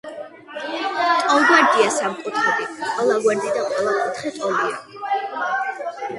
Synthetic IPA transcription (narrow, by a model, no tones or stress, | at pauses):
t̪ʼɔlɡwaɾd̪iasamkʼut̪ʰχɛd̪iqʼɛlˠaɡwɛɾd̪id̪aqʼwɛlˠaɔt̪ʰχɛt̪ʼɔldia̰